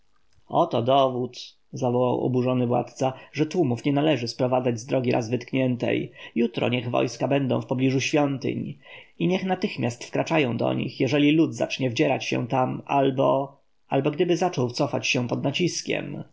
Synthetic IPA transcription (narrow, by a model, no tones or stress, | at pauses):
ɔt̪ɔd̪ɔvut̪ | zavɔwawɔ̰buʐɔnɘvwa̰t̪t̪saʐɛt̪wumufɲɛnalɛʐɘspɾɔvad̪zad͡ʑzd̪ɾɔɡʲiɾa̰zvɘt̪kɲɛnt̪ɛ̰jjut̪ɾɔ̰ɲɛɣvɔ̰jskabɛnd̪ɔ̰̃w̃fpɔblʲiʐuɕfʲjɔnt̪ɘ̰ɲ | iɲɛxnat̪ɘxmʲjast̪fkɾat͡ʂajɔ̃w̃d̪ɔ̰ɲḭxjɛʐɛlʲilud̪za̰t͡ʂɲɛvd͡ʑɛɾat͡ɕɕɛ̰t̪amalbɔ | albɔɡd̪ɘbɘzat͡ʂɔwt̪sɔfat͡ɕɕɛpɔd̪nat͡ɕiskʲɛ̰m